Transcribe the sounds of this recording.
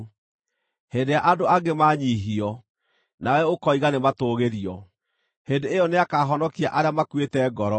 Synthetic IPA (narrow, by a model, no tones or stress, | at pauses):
hedejaʔadoaɡemaːɲiːɦiɔ | nawɛokɔiɣanematoɣeɾiɔ | hendeːjɔneakaːɦɔnɔkiaʔaɾeamakwetɛɡɔɾɔ